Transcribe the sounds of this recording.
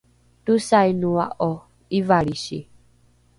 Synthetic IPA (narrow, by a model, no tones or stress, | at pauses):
tusainuaʔo | iʋaɺiʃḭ